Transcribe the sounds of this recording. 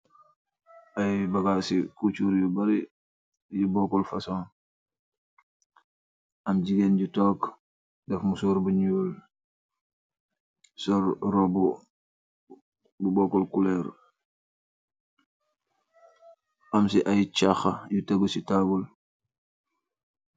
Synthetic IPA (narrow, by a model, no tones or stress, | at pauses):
ʔajbɐɡasikut͡ʃuɾjubɐɾi | jubɔkɔlfɐsɔ̃ːn | ʔɐmɟiɡenɟutɔk | dɛfmusuɾbuɲuːl | sɔɾrɔbɔ | bubɔkɔlkulɛɾ | ʔɐmsiʔajt͡ʃaxɐjutaɡəsitabul